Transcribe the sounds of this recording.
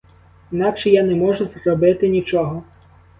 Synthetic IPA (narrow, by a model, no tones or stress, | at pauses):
inɑkʃɛjanɛmɔʒʊzrɔbɪt̪ɪnʲit͡ʃɔɦɔ